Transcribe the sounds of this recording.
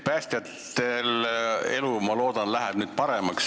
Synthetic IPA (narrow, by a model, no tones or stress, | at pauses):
pæːst̪jɑt̪ː | ele̞lumɑlo̞ːd̪̥ɑnlæɦɛb̥nyːd̪̥̚pɑɾe̞mɑks